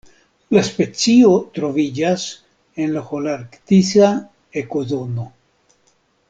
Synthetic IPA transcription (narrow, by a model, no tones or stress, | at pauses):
laspe̞t͡siot̪ɾo̞vid͡ʒas | enlaxolaɾkt̪isa | ekozono